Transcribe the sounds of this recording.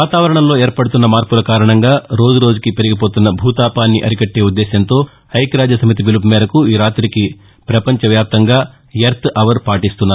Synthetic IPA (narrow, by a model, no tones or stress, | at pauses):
ʋaːt̪aːʋɐɾɐɳɐmlo̞ːeːɾpɐɽut̪unːɐmaːɾpulɐkaːɾɐɳɐŋɡaːɾo̞ːd͡ʒuɾoːd͡ʒukipe̞ɾiɡipo̞ːt̪unːɐbʱuːt̪aːpaːnːiʔɐɾikɐʈːe̞ːud̪ːɛːʃɐnt̪o̞ː | ɐjkɾaːd͡ʒɐsɐmit̪ibilupmɛːɾɐkuiːɾaːt̪ɾiki | pɾɐpɐɲt͡ʃɐʋjaːp̚t̪ɐŋɡaː | jɐɾt̪ʰɐʋɐɾpaːʈist̪unːaːu